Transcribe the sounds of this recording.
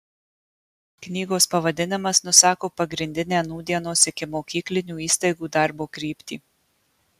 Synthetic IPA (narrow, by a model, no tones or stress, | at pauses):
knʲiːɡoːspɐʋɐd̪ʲɪnʲɪmɐsnʊsɑːkoːpɐɡɾʲɪnʲd̪ʲɪnʲeːnuːd̪ʲiɛnoːsʲɪkʲɪmoːkʲiːklʲɪnʲuːiːst̪ɐɪɡuːd̪ɐɾboːkɾʲiːpʲt̪ʲḭː